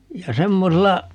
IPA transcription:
jɑ semːoselːɑ

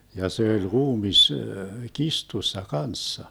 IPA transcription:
jɑ se olʲ ruːmis kistusːɑ kɑnsːɑ

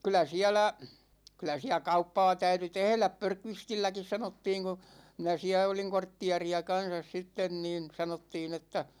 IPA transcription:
kylˑæ siælæ kylˑæ siæ kɑupːɑː tæyty tehlæp pørkʋistilːækis sɑnotːiːŋ ku minæ siæ oliŋ kortːiɑriɑ kɑnsɑs sitːen niːn sɑnotːiːn etːæ

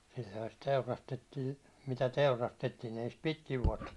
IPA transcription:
silʲːŏhɑ sit teurɑstetːiː mitæ teurɑstetːiːn̞ ei sit pitkiʋ ʋuɒtːɑ

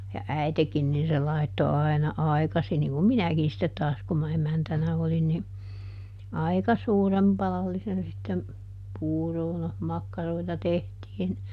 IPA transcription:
jɑ æitekin nin se lɑitːo ɑi̯nɑ ɑi̯kɑsin niŋ kum minækin sitːet tɑːs kum mɑ emæntænæ olin ni ɑikɑ suːrem pɑlɑlːisen sitːem puːroː no mɑkːɑroitɑ tehtiːn

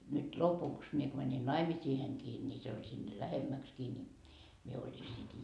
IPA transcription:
nyt lopuks mie ko mæni nɑimisiːheŋkiː nʲi se olʲ sinːe læhemːækskiː ni mie olʲi sit

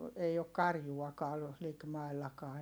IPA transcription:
ei ok kɑrjuɑkɑː likmɑi̯lːɑkɑː

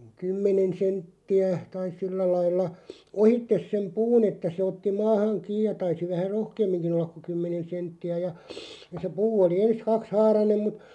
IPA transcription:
kymːenen̞ sentːiæ tɑis̆ silːæ lɑilːɑ ohitːes sem puːn etːæ se otːi mɑːhɑŋ kiːj jɑ tɑisi ʋæhæ rohkeːmːiŋkin̆ olːɑk ku kymːenen̞ sentːiæ jɑ jɑ se puː oli ens kɑkshɑːrɑnem mut

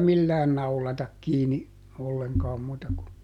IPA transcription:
milːæːn nɑulɑtɑk kiːni olːeŋkɑːm muːtɑ ku

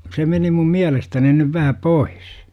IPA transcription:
se meni mum miælestæni nyʋ ʋæhæ pois

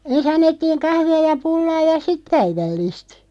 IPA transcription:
ens ɑnːetːiːŋ kɑhʋiɑ jɑ pulːɑː jɑ sit pæiʋælːiˑst

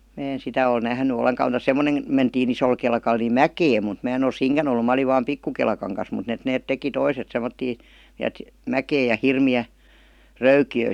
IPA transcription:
mæː en sitæ oi næhny oleŋkɑ mutɑ semːonem mentiːn isol kelkɑl ni mækeːm̆ mut mæː en ol siːŋkæn olːu mæ oliʋ ʋɑːm pikːu kelkɑŋ kɑs mut et neːt teki toiset semːotːiː ni et mækeːj jɑ hirmiæ røykiøˑ

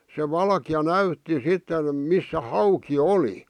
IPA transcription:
se ʋɑlkĭjɑ næytːi sitːen misːæ hɑuki oli

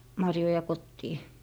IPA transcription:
mɑrjojɑ kotːiː

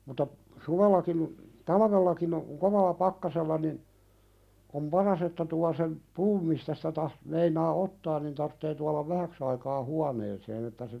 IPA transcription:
mutɑ suʋelːɑkin tɑlɑʋelːɑkin o koʋɑlːɑ pɑkːɑselːɑ nin om pɑrɑs etːæ tuɑ sem puːm mistæ sitæ tɑh meinɑː otːɑːn nin tɑrtːeː tuɑlɑʋ ʋæhæks ɑikɑː huɑneːseːn etːæ se

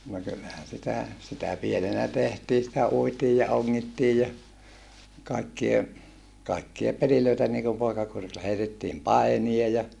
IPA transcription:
no kylːæhæn̞ sitæ sitæ pienenæ tehtiː sitæ uitiː jɑ oŋːitːiː jɑ kɑikːie kɑikːie peliløitæ niːkum poikɑkurilːɑ heitetːiːm pɑinie jɑ

